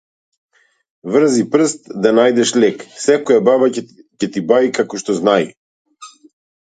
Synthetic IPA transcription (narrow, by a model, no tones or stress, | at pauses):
vr̩zipr̩st̪̚d̪anajd̪ɛʃlɛksɛkɔjababacɛt̪ibaikakɔʃt̪ɔznaḭ